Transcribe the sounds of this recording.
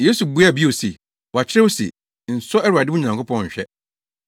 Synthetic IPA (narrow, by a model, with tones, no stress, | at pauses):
je˦su˨bu˦a˦˨bi˦o˨se˨ | wɔ˨a˨t͡ɕʰɪ˦ɾɪ˦wʊ˦sḛ˨ | n̩˨sɔ˦ɛ˦ɾʊ˨a˨dɪ˦wʊ˦ɲ˨ã˨ŋkʰʊ˦pʰɔ̃˦nɲ̩˨ɕᶣɛ˦